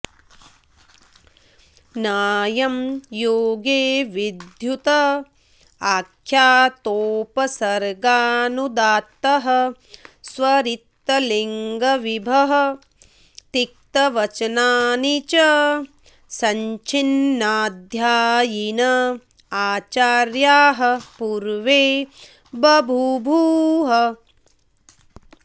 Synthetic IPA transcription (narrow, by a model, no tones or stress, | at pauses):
naːjɐmjoːɡeːʋid̪ʱjut̪ɐ | aːkʰjaːt̪oːpɐsɐɾɡaːnud̪aːt̪ːɐɦɐ̆ | sʋɐɾit̪ːɐliŋɡɐʋibʱɐɦɐ̆ | t̪ik̚t̪ɐʋɐt͡ʃɐnaːnit͡ʃɐ | sɐɲt͡ʃinːaːd̪ʱjaːjinɐ | aːt͡ʃaːɾjaːɦɐ̆puɾʋeː | bɐbʱubʱuːɦɐ